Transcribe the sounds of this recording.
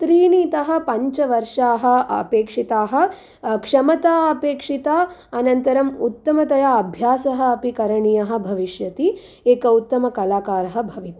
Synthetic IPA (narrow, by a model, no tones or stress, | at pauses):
t̪ɾiːniːt̪ɐɦɐ̆pɐɲt͡ʃɐʋɐɾʂaːɦɐ̰̆peːkʂit̪aːɦɐ̆ | kʂɐmɐt̪aːɐpeːkʂit̪aːɐnɐnt̪ɐɾɐmut̪ːɐmɐt̪ɐjaɐbʱjaːsɐɦɐ̆ɐpikɐɾɐɳijɐɦɐ̆bʱɐʋiʃjɐt̪i | eːkɐut̪ːɐmɐkɐlaːkaːɾɐɦɐ̆bʱɐʋit̪